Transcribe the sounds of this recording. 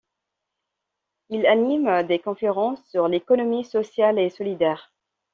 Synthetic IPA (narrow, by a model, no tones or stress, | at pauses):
ilanimd̪ekɔ̃feʁɑ̃sːyʁlekɔnɔmisɔsjalesɔlid̪ɛːʁ